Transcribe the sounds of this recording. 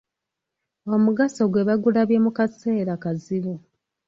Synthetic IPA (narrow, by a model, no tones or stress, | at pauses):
omuɡasoɡwe̞βaɡulaβjemukase̞ːɾakaziβu